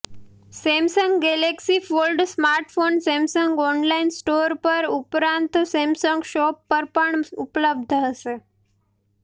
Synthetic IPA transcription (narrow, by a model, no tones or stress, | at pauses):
semsəŋɡɡeleksifolɖsmaɾʈfonsemsəŋɡɔnlainsʈoɾpəɾupɾant̪semsɔ̃ŋɡɕɔpːəɾpəɳupləb̚d̪ʱəəse